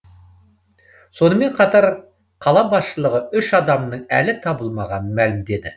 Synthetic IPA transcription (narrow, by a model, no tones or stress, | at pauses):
so̞nəme̞ɴqʰɑt̪ɑɾ | qʰɑlˠɑbɑsʃəlˠəʁəʏʃɑd̪ɑmnəɴæ̰lɪt̪ʰɑbəlˠmɑʁɑnənmælɪmd̪e̞d̪ɪ